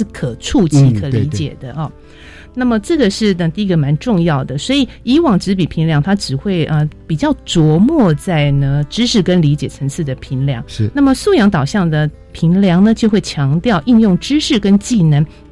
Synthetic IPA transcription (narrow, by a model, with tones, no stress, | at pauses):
ʂɻ̩˥˩kʰɤ˨˩ʈ͡ʂʰu˥˧t͡ɕʰi˧˥kʰə˨˩li˧˥t͡ɕjɛ̰˨˩d̪ə˦ʔ | na˥˩mə˩ʈ͡ʂɤ˥˩ɡə˩ʂɻ̩˥˩ə˧t̪i˥˧˥ɡə˨˩ma˧˥nʈ͡ʂʊ˥˧ŋjɑ˥˩ʊd̪ə˩swɔ˧˥i˨i˧˥wɑ˨˩ŋʈ͡ʂɻ̩˧˥pi˨˩pʰi˧˥ŋljɑ˧˥ŋt̪ʰa˥ʈ͡ʂɻ̩˨˩xwe˥˩ɪʔə˧˩pi˨˩t͡ɕjɑ˥˩ʊt͡swɔ˧˥mwɔ˥˧t͡sa˥˩ɪnə˨ʈ͡ʂɻ̩˥ʂɻ̩˥˩kə˦nli˧˥t͡ɕjɛ˨˩ə˧˥ŋt͡sʰɹ̩˥˩d̪ə˩pʰi˧˥nljɑ̰˧˥ŋ˧na˥˩mə˨˩su˥˩jɑ˧˥ŋt̪ɑ˨˩ʊɕjɑ˥˩ŋd̪ə˩ | pʰi˧˥nljɑ˧˥ŋnə˧t͡ɕjo˥˧xwe˥˩ɪt͡ɕʰjɑ˧˥ŋt̪jɑ˥˧ʊʔi˥˧njʊ˥˩ŋʈ͡ʂɻ̩˥ʂɻ̩˥˩kə˥nt͡ɕi˥˩nə˧˥ŋ